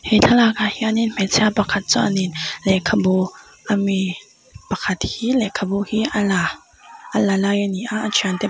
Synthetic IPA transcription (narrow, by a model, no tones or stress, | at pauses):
hɛtʰalakahiʔaninm̥ɛtt͡sʰɛapakʰat̪̚t͡sɔʔaninlɛkʰabo | ʔami | pakʰat̪̚hilɛkʰabohiʔala | ʔalalajʔaniʔaʔat͡ʃʰiant̪ɛ